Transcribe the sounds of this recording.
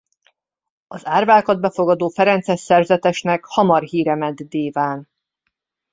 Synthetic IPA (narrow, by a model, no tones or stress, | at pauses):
ɒzaːrvaːkɒd̪̚bɛfo̞ɡɒd̪oːfɛɾɛnt̪sɛʃsɛrzɛt̪ɛʃnɛkhɒmɒrɦiːɾɛmɛd̪d̪eːvaːn